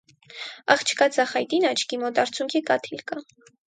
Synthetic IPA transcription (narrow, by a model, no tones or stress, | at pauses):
ɑ̰χt͡ʃʰkɑd͡zɑχɑjt̪inɑt͡ʃʰkimɔt̪ɑɾt͡sʰjuŋkʰikɑt̪ʰilkɑ